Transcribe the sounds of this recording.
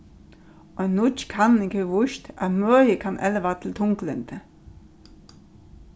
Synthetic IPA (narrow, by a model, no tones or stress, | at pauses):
oennːʊt͡ʃkʰɑnnɪkəʋʊʃt̪æmœːjəkʰɑnʔɛləʋɑːt̪ʰɪl̩t̪ʰʊŋklənt̪ʰə